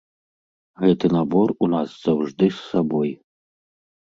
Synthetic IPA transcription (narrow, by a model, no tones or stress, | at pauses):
ɣɛt̪ɨnabɔrunasz̥awʐd̪ɨsːabɔj